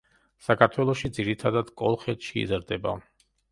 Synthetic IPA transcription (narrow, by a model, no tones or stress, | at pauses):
sakʰaɾt̪ʰwɛlˠɔʃid̪ziɾit̪ʰad̪ad̪kʼɔlˠχɛt̪ʰʃḭːzɾd̪ɛba